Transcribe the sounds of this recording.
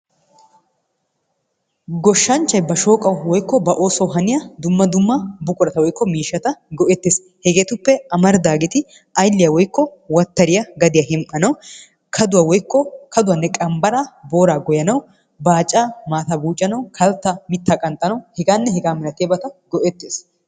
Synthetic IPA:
ɡɔʃːɐnt͡ʃːɐjbɐʃo̞ːkʼɐwwɔjkːɔbɐʔo̞ːsɐwɦɐnɪjɐd̪ʊmːɐd̪ʊmːɐbʊkʼʊɾɐt̪ɐwɔjkːɔmiːʃːɐt̪ɐɡɔʔɛt̪ːes | hɛɡeːt̪ʊpːɛɐmɐɾd̪aːɡɪt̪ɪ | ɐjlːɪjɐwɔjkːɔwɐt̪ːɐɾɪjɐɡɐd̪ɪjɐɦɪmʔɐnɐw | kʰɐd̪ʊwɐwɔjkːɔkʰɐd̪ʊwɐnːɛkʼɐmbɐɾabo̞ːɾaːɡɔjɐnɐw | baːt͡ʃʼːaːmaːt̪ɐbuːt͡ʃʼːɐnɐwkʰɐlt̪ːɐmɪt̪ːakʼɐnt̪ʼːɐnɐwhɛɡaːnːɛhɛɡaːmɪnɐt̪ɪjɐbɐt̪ɐɡɔʔɛt̪ːeːs

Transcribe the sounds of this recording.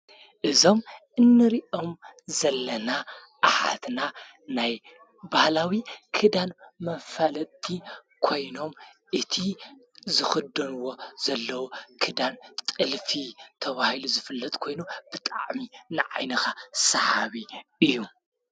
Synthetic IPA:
ʔɨzo̞mʔɨnːɨɾiʔomzɐlːɐna | ʔaħa̰t̪na | naj | bahlawikʰɨd̪anmɐnfalɐt̪ʼːi | kʰo̞jno̞mʔɨt̪ʰi | zɨxɨd̪ɐnuwo̞z̥ɐlːɐwukʰɨd̪ant̪ʼɨlfit̪ʰɐβahiluzɨfɨlːɐt̪ʼkʰo̞jnub̥ɨt̪ʼa̰ʕminɨʕa̰jnɐxasɐhaβiɨjːu

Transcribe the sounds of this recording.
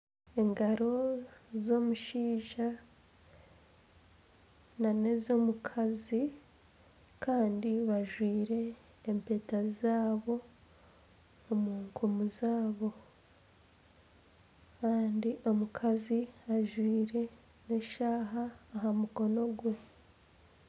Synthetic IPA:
e̞ŋɡaɾo̞zo̞muʃiːʒa | nane̞zo̞mukʰazi | kaːndiβaʒwiːɾe̞ː | mpe̞ːtazaːβo̞ | muːŋkʰumuzaːβo̞ | kaːndiʔo̞mukʰaziaʒwiːɾe̞ | ne̞ʃaːɦaːɦamuko̞no̞ɡwu

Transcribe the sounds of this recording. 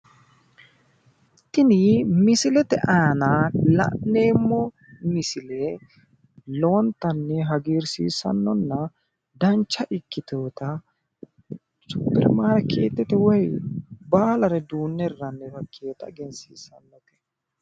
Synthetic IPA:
ɪt̪ːɪnɪmɪsɪlɛt̪ɛʔaːnalɐ̰ʔnːe̞ːmːɔ | mɪsɪlɛ | loːnt̪ːɐnːɛɦɐɡiːɾsḭːsɐ̰nːɔnːɐ | d̪ɐnt͡ʃːɐʔɪkːɪt̪oːt̪ɐ | t͡ʃʊpːɪ̰ɾmaːɾkḛːt̪ːɛt̪ɛwɔjbaːlɐɾɛd̪uːnːɛrːɐnːɛfɐkʰːeːt̪ɐ̰ɡɛnsḭːsɐnːɔt̪ɛ̥

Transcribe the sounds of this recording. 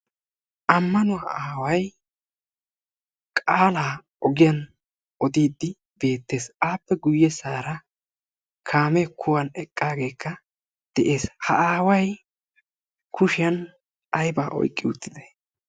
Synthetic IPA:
ʔɐmːɐnʊhɐaːwɐj | kʼaːlaː | ɔɡɪjɐn | ɔd̪iːd̪ːɪ | b̥e̞ːt̪ːe̞ːsaːpːɛɡʊjːɛsaːɾɐ | kʰaːmɛkʰʊwɐnɛkʼːaːɡe̞ːkʰːɐ | d̪̥ɛʔe̞ːshɐaːwɐj | kʰʊʃɪjɐn | ɐjbaːʔɔ̰jkʼːɪʊt̪ːɪd̪ɛ̥

